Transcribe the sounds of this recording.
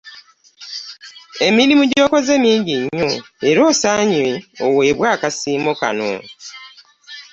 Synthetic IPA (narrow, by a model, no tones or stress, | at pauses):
e̞milimuɟoːkozemiːɲɟiɲo | eɾo̞ːsaːɲeoweːβwaːkasiːmoka̰no̰